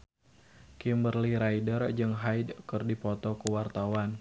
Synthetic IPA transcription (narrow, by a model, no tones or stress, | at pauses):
kimbərliɾajdərd͡ʒɨŋɦajdkɨrdipɔt̪ɔkuwart̪awan